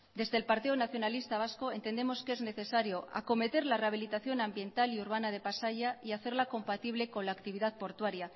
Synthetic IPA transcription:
d̪e̞zðelpaɾt̪ionaθjo̞nalist̪aβ̞asko̞e̞nt̪e̞nd̪e̞mo̞ske̞zne̞θe̞saɾjo̞ʔa̰ko̞me̞t̪e̞ɾlareaβ̞ilit̪aθjo̞nambje̞nt̪aliuɾβ̞anað̞e̞pasaʝaiaθe̞ɾlako̞mpat̪iβ̞le̞ko̞nlaːkt̪iβiðaðpo̞ɾt̪waɾja

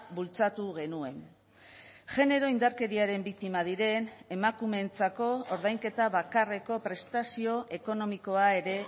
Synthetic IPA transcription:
bult͡sat̪uɣe̞nue̞n | ʝe̞ne̞ɾo̞ind̪aɾke̞ɾiaɾe̞mbik̚t̪imað̞iɾe̞ne̞makume̞nt͡sako̞oɾðajŋke̞t̪aβakare̞ko̞pɾe̞st̪asio̞ʔe̞ko̞no̞miko̞ae̞ɾe̞

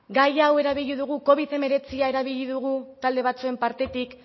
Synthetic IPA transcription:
ɡajawe̞ɾaβiʎiðuɣ̞uko̞β̞iðe̞me̞ɾe̞t͡siae̞ɾaβ̞iʎiðuɣ̞ut̪ald̪e̞β̞at͡sue̞mpaɾt̪e̞t̪ik

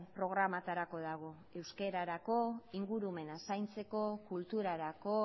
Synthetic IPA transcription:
pɾo̞ɣ̞ɾamat̪aɾako̞ð̞aɣ̞o̞ | e̞wske̞ɾaɾako̞iŋɡuɾume̞nasajnt͡se̞ko̞kult̪uɾaɾako̞

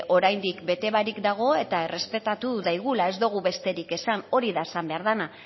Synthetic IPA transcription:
ʔo̞ɾajnd̪ikbe̞t̪e̞βaɾikd̪aɣ̞o̞e̞t̪ae̞re̞spe̞t̪at̪uðajɣ̞ulae̞zd̪oɣ̞uβe̞st̪e̞ɾike̞sano̞ɾiðaesambe̞aɾðana

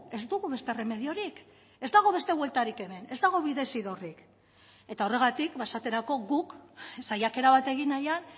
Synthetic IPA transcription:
e̞zd̪uɣuβe̞st̪ere̞me̞ðio̞ɾik | e̞zd̪aɣ̞o̞βe̞st̪e̞βwe̞lt̪aɾike̞me̞ne̞zd̪aɣ̞o̞βiðe̞siðo̞rik | e̞t̪ao̞re̞ɣ̞at̪ikpaesat̪e̞ɾako̞ɣuksajake̞ɾaβat̪e̞ɣ̞inajan

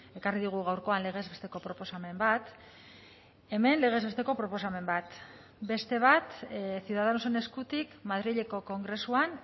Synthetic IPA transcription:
e̞kariðuɣ̞uɣawɾko̞anle̞ɣ̞e̞zβe̞st̪e̞ko̞pɾo̞po̞same̞mbat̪ | e̞me̞nle̞ɣ̞e̞zβest̪e̞ko̞pɾo̞po̞same̞mbat̪ | be̞st̪e̞β̞at̪siuðað̞anoso̞ne̞skut̪ikmað̞ɾiʎe̞ko̞ko̞ŋɡɾe̞suan

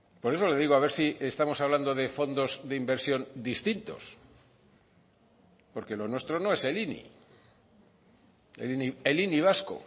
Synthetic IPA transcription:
po̞ɾe̞so̞le̞ðiɣoaβe̞ɾsiest̪amo̞saβland̪o̞ðe̞fond̪o̞zðeimbe̞ɾsjo̞nd̪ist̪int̪o̞̰s | po̞ɾke̞lo̞nwe̞st̪ɾo̞no̞e̞se̞linḭ | ḛlinieliniβ̞asko̞̰

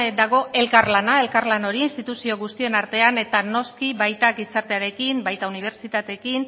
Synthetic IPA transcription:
d̪aɣ̞o̞e̞lkaɾlanaelkaɾlano̞ɾiːnst̪it̪usio̞ɣ̞ust̪ie̞naɾt̪e̞ane̞t̪ano̞skiβajt̪aɡisaɾt̪e̞aɾe̞kimbajt̪auniβ̞e̞ɾt͡sit̪at̪e̞kin

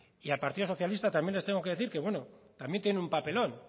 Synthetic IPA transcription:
ialpaɾt̪iðoo̞θjalist̪at̪amje̞nlet̪eŋɡo̞keðe̞θiɾke̞βwe̞no̞t̪ambjent̪jeneumpape̞lo̞n

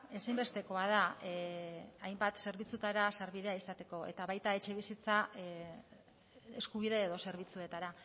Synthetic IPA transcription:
esajmbe̞st̪e̞ko̞að̞a | ajmbat̪se̞ɾβit͡sut̪aɾasaɾβiðe̞aisat̪e̞ko̞e̞̰t̪aβajt̪ae̞t͡ʃe̞β̞isit͡sa | eskuβ̞iðe̞ːðo̞se̞ɾβit͡sue̞t̪aɾa

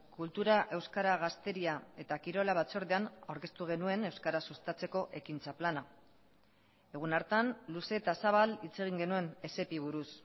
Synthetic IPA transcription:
kult̪uɾaʔe̞wskaɾaɣ̞ast̪e̞ɾiae̞t̪akiɾo̞laβ̞at͡so̞ɾðe̞anawɾke̞st̪uɣ̞e̞nue̞ne̞wskaɾasust̪at͡se̞ko̞ʔe̞kint͡saplana | e̞ɣ̞unaɾt̪anluse̞t̪asaβ̞alit͡se̞ɣ̞iŋɡe̞nue̞ne̞se̞piβ̞uɾus

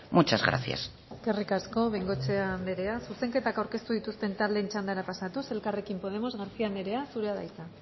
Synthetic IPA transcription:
mut͡ʃazɣɾa̰sia̰s | kerikasko̞βeŋɡo̞t͡se̞and̪eɾe̞asuse̞ŋke̞t̪akawɾke̞st̪uðit̪ust̪e̞nt̪ald̪e̞nt͡ʃand̪aɾapasat̪use̞lkare̞kimpo̞ð̞e̞mo̞zɣaɾsiand̪eɾe̞asuɾe̞aða̰jt͡s̪a

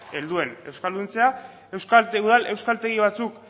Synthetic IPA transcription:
e̞ld̪ue̞ne̞wskald̪unt͡se̞a | e̞wskalt̪euð̞alʔe̞wskalt̪e̞ɣiβ̞at͡suk

